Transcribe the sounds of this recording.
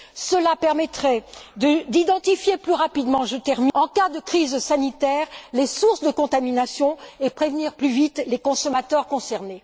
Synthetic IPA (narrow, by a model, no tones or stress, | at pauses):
səlapɛʁmɛt̪χɛd̪əd̪id̪ɑ̃t̪ifjeplyʁapid̪mɑ̃ʒət̪ɛʁmiɑ̃kad̪əkχizsanit̪ɛːʁlesuʁsd̪əkɔ̃t̪aminasjɔ̃epχevniʁplyvit̪lekɔ̃sɔmat̪œʁkɔ̃sɛʁne